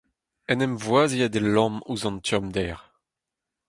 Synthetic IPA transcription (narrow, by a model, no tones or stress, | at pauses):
ɛnɛmvwaːziad̪elɑ̃muzɑ̃nt̪jɔmd̪ɛːʁ